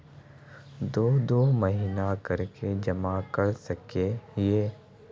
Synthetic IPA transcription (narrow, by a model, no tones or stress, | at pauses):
d̪oːd̪oːməɦiːnakɐɾked͡ʒɐmakɐɾsɐkeɦeː